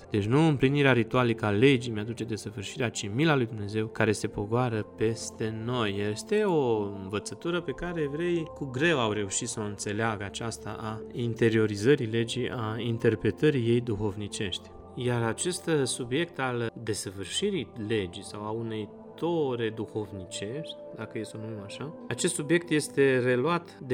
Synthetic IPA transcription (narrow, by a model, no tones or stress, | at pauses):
d̪̥et͡ʃʲnuɨmpliniɾeaɾit̪ualikəale̞d͡ʒimead̪ut͡ʃe̞d̪e̞səvɨrʃiɾeat͡ʃimilalujd̪umne̞ze̞wkaɾe̞se̞po̞ɡoaɾəpe̞st̪e̞no̞jeest̪e̞o̞ɨnvət̪sət̪uɾəpe̞kaɾe̞vɾe̞jkuɡɾe̞wawɾe̞uʃit̪səɨnt̪se̞leaɡəat͡ʃast̪a̰ʔaint̪e̞ɾio̞ɾizəɾile̞d͡ʒiʔaint̪e̞rpɾe̞t̪əɾije̞jd̪uxo̞vnit͡ʃe̞ʃt̪ʲ | jaɾat͡ʃe̞st̪subje̞k̚t̪ald̪e̞səvɨrʃiɾile̞d͡ʒisawaunej | t̪o̞ɾe̞d̪uho̞vnit͡ʃe̞ʃʲt̪ʲ | d̪akəjest̪onummaʃaat͡ʃe̞st̪subje̞k̚t̪je̞st̪e̞re̞luat̪d̪